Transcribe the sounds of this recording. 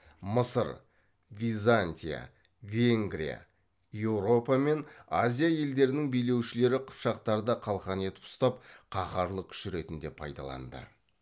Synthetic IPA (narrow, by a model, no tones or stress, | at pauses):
məsəɾ | vʲijzanʲt̪ʲija̰ | vʲe̞ŋɡɾḭja̰ | je̞wɾo̞pame̞nazʲijaje̞ld̪e̞ɾɪnɪŋbijle̞wʃɪle̞ɾɪqʰʊ̥pʃɑq̚t̪ɑɾəd̪ɑqʰɑlˠʁɑne̞t̪ɪ̥pʊ̥st̪ɑp̚qʰɑχɑɾlˠəkʲʰʏ̥ʃɪɾe̞t̪ɪnd̪e̞pʰɑ̰jd̪ɑ̰lˠɑ̰nd̪ə̰